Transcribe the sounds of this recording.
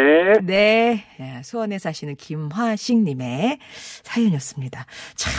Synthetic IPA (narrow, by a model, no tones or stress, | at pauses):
ne̞ | sʰowʌne̞sʰaɕʰinɯnkimɦwaɕʰiŋɲime̞sʰajoɲijʌs͈ɯmɲidat͡ɕʰ